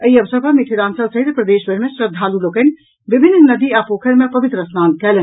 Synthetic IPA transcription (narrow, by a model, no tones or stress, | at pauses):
əiɐʋsəɾpamiʈʰiɾaːnsɐbsɐɦit̪pɾɐd̪eːʃʋɐɾmẽsɾɐd̪ʱaːluloːken | ʋɪbʱɪnːnɐd̪iaːpoːkʰəɾmẽpɐʋɪt̪ɾəsnaːnkɛːln